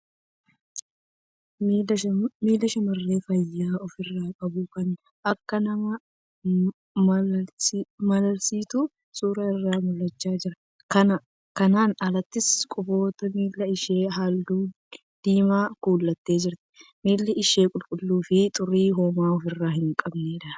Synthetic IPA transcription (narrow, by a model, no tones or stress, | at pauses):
miːlːɐʃɐmɐrːe̞ːfɐjːaːɔfɪrːaːkʼɐbʊkɐn | ʔɐkːɐnɐmɐ | mɐlɐlsiːt̪ʊ | suːɾaɪrːaːmʊlːɐt͡ʃːaːd͡ʒɪɾɐ | kɐnɐ | kɐnaːnɐlɐt̪ːɪskʼʊbo̞ːt̪ɐmiːlːɐɪʃe̞ːɦaːld̪uː | d̪̥iːmaːkuːlːɐt̪ːe̞ːd͡ʒɪɾt̪ɪ̥miːlːɐɪʃe̞ːkʼʊlkʼʊlːuːfɪt̪ʼʊrːiːɦoːmaːɔfɪrːaːhɪŋkʼɐbneːd̪ɐ